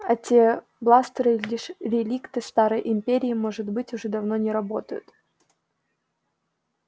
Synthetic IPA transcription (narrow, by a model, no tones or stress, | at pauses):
ɐtʲe | blˠast̪ɾɨlʲiʂɾʲɪlʲikt̪ɨst̪aɾəjʔɪmʲpʲeɾʲɪːmo̞ʐɨt̪bɨtʲʊʐɛd̪ɐvnonʲɪɾɐbo̞t̪əjʊ̰t̪